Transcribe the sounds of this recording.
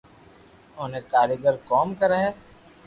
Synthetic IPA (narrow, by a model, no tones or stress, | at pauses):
ʊːnẽkaːɾjəɡəɾkɔːmkɐɾaɦɛː